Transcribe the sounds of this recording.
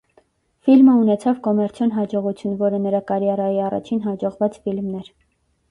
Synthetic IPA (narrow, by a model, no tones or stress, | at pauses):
filməunɛt͡sʰɑvkɔmɛɾt͡sʰjɔnɦɑd͡ʒɔʁut͡sʰjunvɔɾənəɾɑkɑɾjɑɾɑjiɑrɑ̰t͡ʃʰinɦɑd͡ʒɔʁvɑt͡sfilmnɛɾ